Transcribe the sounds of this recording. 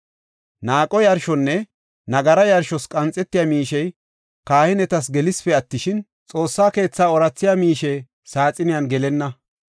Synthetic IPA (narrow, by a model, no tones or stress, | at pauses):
naːkʼɔjɐɾʃɔnːɛ | nɐɡɐɾɐjɐɾʃɔskʼɐnt͡sʼːɛt̪ːɪjaːmiːʃɛj | kaːhɪnɛt̪ɐs̬ɡɛlɪspɛɐt̪ːɪʃɪn | t͡sʼo̞ːsːaːke̞ːt͡sːaːɔɾɐt͡sːɪjamiːʃɛj | saːt͡sʼɪnɪjɐnɡɛlɛnːɐ